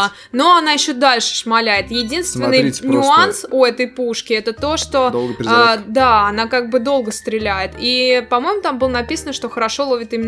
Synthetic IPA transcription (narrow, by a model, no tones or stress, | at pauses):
no̞ɐnajɪɕːod̪alʲʂɨ̥ʂmɐlʲæjɪt̪jɪdʲinst̪vʲɪnːɨjnʲʊansʊɛt̪əjpuʂkʲɪɛt̪ət̪o̞ʂt̪o̞d̪ˠɡəɾd̪aɐnakaɡ̚bɨd̪o̞lˠɡəst̪ɾʲɪlʲæjɪt̪ipɐmo̞jɪmʊt̪ambɨlˠənɐpʲisənəʂt̪o̞xəɾɐʂo̞lˠovʲɪt̪ɨimʲɪn